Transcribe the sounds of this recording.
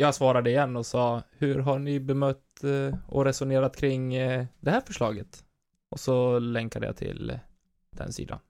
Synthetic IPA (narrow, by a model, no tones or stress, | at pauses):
jɑːɡsvɑːɾad̪əɪjɛnːɔsɑːhɵɾɦaɳɪbɛmœt̪ːɔ̰ɾɛsʊneːɾat̪kʰɾɪŋd̪ɛhæːɾfœʂɭɑːɡət̪ | ʔɔsɔlɛŋkad̪ə̰ja̰t̪ʰɪ̰l | d̪̥ɛ̰nsḭːd̪a̰n